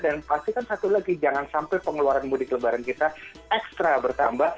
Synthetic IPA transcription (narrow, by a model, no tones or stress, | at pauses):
danpast̪ikansat̪ulaɡid͡ʒaŋansampɛpəŋəluaɾanmudikələbaɾankit̪a | ɛkst̪ɾabərt̪ambah